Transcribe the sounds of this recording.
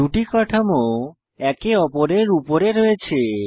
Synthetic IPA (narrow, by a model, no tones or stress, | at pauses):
uʈikɔʈʰamo | ɛkeɔpoɾeɾupoɾeɾoet͡ɕʰe